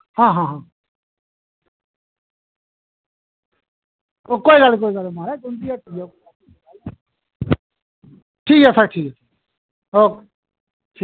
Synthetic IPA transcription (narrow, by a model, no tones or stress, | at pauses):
hãːɦãːɦãː | okoːiɡalk̬oːiɡalmaːɾɛkʊnd̪iaːʈʰiːko | ʈʰiːkɛsakʈʰiːkɛtʰː | oːke | ʈʰi